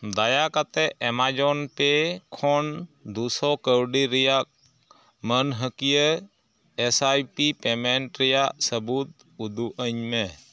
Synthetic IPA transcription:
d̪ajakat̪ɛʔɛmad͡ʒɔnpɛkʰɔnd̪usɔkəwɖiɾɛja | mənɦəkijə | ɛsajpipɛmɛɳʈɾɛjaʔsəbut̪̚ | ud̪uʔəɲmɛ

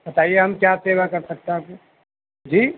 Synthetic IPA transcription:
bɐt̪aːieɦɐmkjaːseːʋakɐɾsɐk̚t̪eaːp̚ko | d͡ʒiː

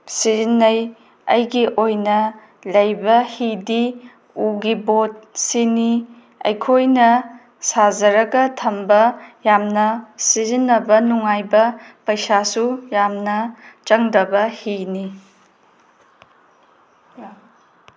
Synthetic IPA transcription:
sizinːɐj | ɐ̰jɡiʔojnɐ | lɐjbɐhidi | uɡibot̚sini | ɐ̰jkʰojnɐ | sazɐɾɐɡɐtʰɐmbɐjamnɐsizinːɐbɐnuŋajbɐpɐjsasujamnɐt͡ʃɐŋdɐbɐhini

